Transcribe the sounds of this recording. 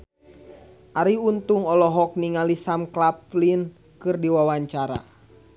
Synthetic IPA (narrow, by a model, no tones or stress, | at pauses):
ʔaɾiunt̪uŋɔlɔɦɔk̚niŋalisamklaplin | kɨrdiwawaɲt͡ʃaɾa̰